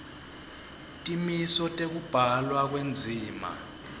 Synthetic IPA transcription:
tʼimisɔtʼek̬ub̥ʱalwak̬wend͡zʱiːma̰

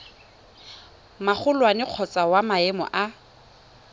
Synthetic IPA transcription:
maχʊlwanɪq͡χʰɔt͡sʼawamaɛmɔ̰ʔa

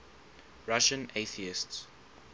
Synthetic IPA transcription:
ɹaʃə̃neθiɪsts

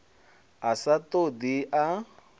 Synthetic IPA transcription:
asat̪od̪iʔa

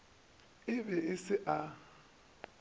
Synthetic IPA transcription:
ɪbɛɪsɪʔa

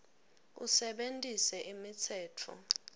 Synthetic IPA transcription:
ṵsɛɓentʼisɛʔimit͡sʰɛːtʰɔ̰

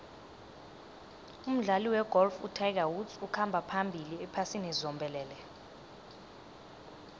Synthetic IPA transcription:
um̩ɮaliwɛɡ̥ʱɔlfṵtʰajk̬awudsukʰambʱapʰambʱiliɛpʰasinɛzɔmbʱɛlɛːlɛ

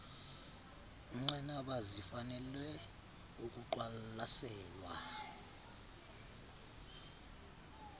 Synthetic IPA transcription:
uŋ͡ǀanaɓazifanɛlwɛ | uk̬ʼuǃwalasɛːlwa̰

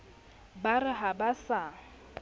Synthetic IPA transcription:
barɪɦabasa

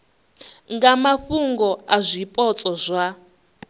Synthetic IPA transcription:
ŋɡamaɸuŋɡɔazʷipʼɔt͡sʼɔzʷa

